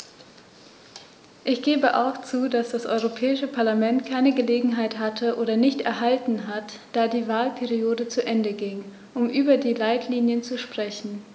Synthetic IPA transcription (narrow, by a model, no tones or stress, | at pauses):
ʔɪçɡ̥eːbəʔa̰ʊxt͡suːdasd̥asʔɔ̰ʏʁopʰɛːɪʃəpʰaɐlamɛntkʰaɪnəɡəleːɡŋ̩ɦaɪthatʰəʔoːɾɐnɪçtɛ̰ɐɦaltn̩ɦat | d̥aːdiːvaːlpʰɛʁioːdət͡suʔɛndəɡɪŋ | ʔʊmʔyːbɐdiːlaɪtʰliːnjənt͡suʃpʁ̥ɛçn̩